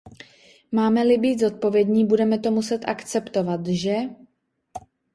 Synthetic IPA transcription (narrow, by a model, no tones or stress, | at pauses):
maːmɛlɪbiːt̪zo̞t̪̚po̞vjɛdɲiːbudɛmɛt̪o̞musɛt̪ʔakt͡sɛpt̪o̞vat̪ʒɛ